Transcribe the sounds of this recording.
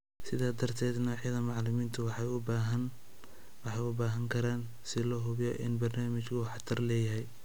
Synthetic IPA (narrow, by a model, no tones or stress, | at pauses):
sɪðaːd̪ɐrt̪ʰɛːd̪nɔːħjɐðɐmɑʕlʊmiːnt̪ʰʊwħɑʊbaɦɐn | wɑħɑjʊbaːɦɐŋkʰɐɾaːn | sɪlɔɦʊβjɔʔɪ̰nbɐrnaːmɪt͡ʃkʰʊuːħɑt̪ʰɐrlɛːjɐɦɛj